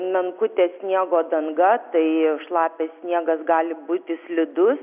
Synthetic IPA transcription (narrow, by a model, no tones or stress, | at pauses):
mʲɛŋkʊt̪ʲeːsʲnʲiɛɡoːd̪ɐŋɡɐt̪ɐɪʃlˠɑːpʲeːssʲnʲiɛɡɐsɡɑːlʲɪbuːt̪ʲɪsʲlʲɪd̪ʊs